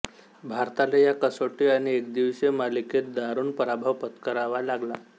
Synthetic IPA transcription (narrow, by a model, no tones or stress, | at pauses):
bʱaɾt̪alejakəsoʈiaɽ̃iekd̪iʋsemaliket̪̚d̪aɾuːnpəɾabʱaʋpət̪kəɾaʋalaɡla